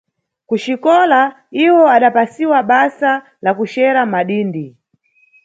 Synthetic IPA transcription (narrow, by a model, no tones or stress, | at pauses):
kuʃikɔla | iwɔaɗapasiwaɓasa | lakuʃɛɾamaɗiːndi